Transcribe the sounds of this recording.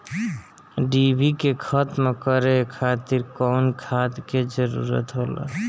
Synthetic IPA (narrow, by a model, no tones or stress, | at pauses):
ɖibʱikekʰət̪mekəɾekʰat̪iɾkɔnkʰad̪ked͡ʒəɾṵɾə̰t̪ɦola̰